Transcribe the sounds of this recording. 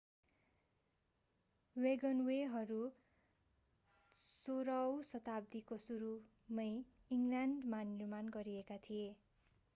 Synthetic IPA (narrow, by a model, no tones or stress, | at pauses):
weɡʌnweɦʌɾu | soɾʌwsʌt̪ab̚d̪ikosuɾu | mʌj | iŋlaɳɖmanirmanɡʌɾiekat̪ʰije